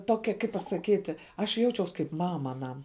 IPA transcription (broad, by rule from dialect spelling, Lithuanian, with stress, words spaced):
ˈtoːkʲɛ kɐɪp pɐsɐˈkʲiːtʲɪ ˈɐʃ ˈjɛʊt͡ʃʲɛʊs kɐɪp ˈmɑːmɐ ɐˈnɐm